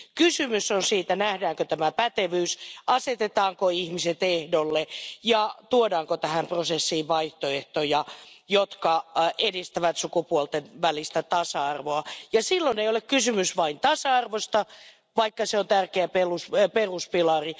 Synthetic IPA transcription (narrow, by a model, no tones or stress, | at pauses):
kysymysonsiːt̪ænæhdæːŋkøt̪æmæpæt̪eʋyːsʔɑset̪et̪ɑːŋkoihmiset̪ehdolːejɑt̪uodɑːŋkot̪æhæmprosesːiːʋʋɑiht̪oeht̪ojɑjot̪kɑʔedist̪æʋæt̪sukupuolt̪enʋælist̪æt̪ɑsɑɑrʋoɑjɑsilːoneijolekkysymysʋɑint̪ɑsɑɑrʋost̪ɑ | ʋɑikːɑseont̪ærkeæpelusperuspilɑri